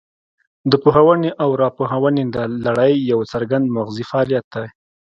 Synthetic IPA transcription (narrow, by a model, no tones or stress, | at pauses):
d̪əpoɦawəneʔawɾɑpoɦawəned̪əlaɽəjːawt͡saɾɡand̪mʊɣzifaɑlijat̪̚d̪aj